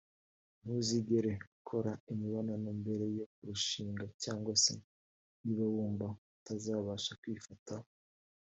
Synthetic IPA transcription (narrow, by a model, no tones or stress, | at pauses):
n̥uziɡe̞ɾe̞ukʰo̞ɾaimiβananombe̞ɾe̞jo̞kuɾuʃiːŋɡacaːŋɡwasḛ | niβaβuːmbaatazaːβaʃakwiːfata